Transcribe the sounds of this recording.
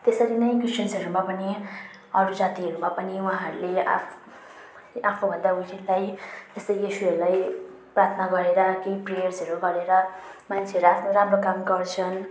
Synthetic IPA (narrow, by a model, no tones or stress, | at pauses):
t̪esʌɾinʌj̃krisʈʌnsʌɾumapʌni | ʌɾud͡zat̪iɦʌɾumapʌniuãɦʌɾulea̰ | apʰobʱʌ̃nd̪auɦilajt̪est̪ʌijisuɦʌɾulaj | prart̪ʰʌnaɡʌɾeɾʌkeiprejʌrsʌɾuɡʌɾeɾʌmant͡sʰeʌɾuapʰnoɾamrokamɡʌrt͡sʰʌn